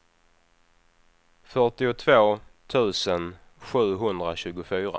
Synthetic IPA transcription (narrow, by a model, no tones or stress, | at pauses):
fœʈɪʊt̪ʰvoːt̪ʰʉ̟ːsən | ɧʉ̟ːɦɵnd̪ɾaɕʉ̟ːɡʊfyːɾa̰